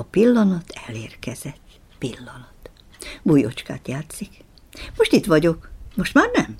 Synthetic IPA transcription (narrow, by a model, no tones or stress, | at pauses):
ɒpilːɒnɒt̪ʰɛleːrkɛz̥ɛt̪ː | pilːɒnɒt̪ | bujo̰t͡ʃka̰ːt̪jaːt̪sik | mo̞ʃt̪it̪ʋɒɟo̞kmoʃt̪maːrnɛm